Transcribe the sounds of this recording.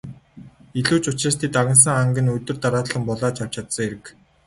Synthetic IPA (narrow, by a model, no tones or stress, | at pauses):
iɮuːt͡ɕʊt͡ɕraːst̪ʰeːt̪aɣʲə̆ns̬ə̆ŋaŋɡʲɘ̆nɵt̪ɵ̆rt̪aɾaːt̪ɮə̆mpɔɮɔːt͡ɕʰaw̥t͡ɕʰat̪sə̆ŋeɾɘ̆k